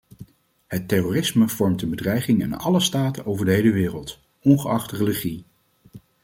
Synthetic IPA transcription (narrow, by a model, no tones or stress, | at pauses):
hətːɛroːrɪsməv̥ɔɹmtənbədrɛjχɪŋɪ̰nɑ̰ləstaːtənowvəɹdəɦejləʋɪːrəlˠt | ɔnχəɑχtərəliχi